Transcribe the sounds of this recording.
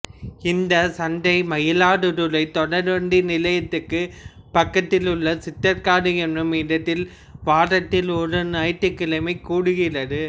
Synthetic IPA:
ɪnd̪ɐsɐnd̪ɐɪmɐjɪlaːɽɯɾɯlɐɪt̪ɔɽɐɾʋɐɳɖinɪlɐjɐt̪ːɯkːɯpɐkːɐt̪ːɪlɯɭːɐsɪt̪ːɐɾkaːɽɯɛndrɯmɪɽɐt̪ːɪl | ʋaːɾɐt̪ːɪlɔɾɯnɐjt̪ːɯkːɪlɐmɐɪkːuːɽɯɣɪrɐðɯ

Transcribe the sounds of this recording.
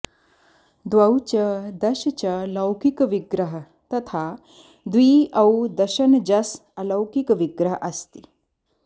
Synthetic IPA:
d̪ʋɐwt͡ɕɐd̪ɐʃt͡ɕɐlɐwkikʋiɡɾəɦə | t̪ɐt̪ʰa | d̪ʋiːɐwd̪ɐɕɐnd͡ʒɐsɐlɐwkikʋiɡɾəɦəʔɐst̪i

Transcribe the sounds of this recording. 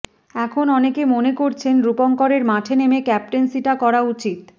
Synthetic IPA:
ɛkʰonɔnekemonekoɾt͡ɕʰenɾupoŋkoɾeɾmaʈʰenemekɛp̚ʈensiʈakɔɾaut͡ɕit̪

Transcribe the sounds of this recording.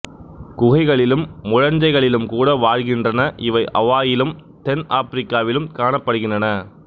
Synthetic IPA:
kʊɣɐɪɣɐɭɪlɯmːʊɻɐnd͡ʒɐɪɣɐɭɪlɯmkuːɽɐʋaːɻɣɪndrɐnɐʔɪʋɐɪʔɐʋaːjɪlɯmt̪ɛnaːpɾɪkːaːʋɪlɯmkaːnɐpːɐɽɯɣɪndrɐnɐ

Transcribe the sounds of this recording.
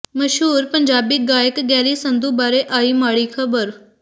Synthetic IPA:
məʃɦuːɾpəɲd͡ʒaːbiːɡaːjəkɡɛːɾiːsə̃nd̪uːbaːɾeːʔaːiːmaːɽiːkʰəbəɾ

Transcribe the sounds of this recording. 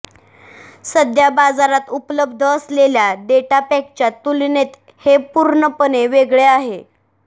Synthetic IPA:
səd̪jabad͡zaɾat̪upləbd̪ʱəːsleljad̪eʈapɛk̚t͡ɕjat̪ulnet̪ | hepuɾɳəpəneʋeɡɭeaɦe

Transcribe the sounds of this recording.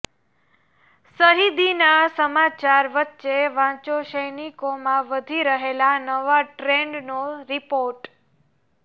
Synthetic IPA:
səɦid̪inasəmat͡ʃaɾʋətːʃeʋãt͡ʃoʃəjnikomãʋəd̪ʱiɾəɦelanəʋaʈɾeɳɖnoɾipoɾʈ

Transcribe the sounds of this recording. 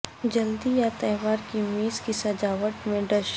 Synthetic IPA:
d͡ʒɐld̪ijat̪ɛːʋaːɾkimiːzkisɐd͡ʒaːʋəʈmẽɖɐʃ

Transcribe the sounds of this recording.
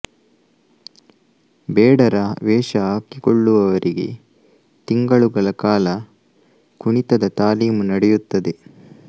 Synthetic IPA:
bɛːɽɐɾɐʋɛːʃɐɦaːkikɔɭːuʋɐʋɐɾʔiɡe̞̰ | t̪iŋɡɐɭuɡɐɭɐkaːlɐ | kuɳit̪ɐd̪ɐt̪aːliːmunɐɽɛjut̪ːɐd̪e̞

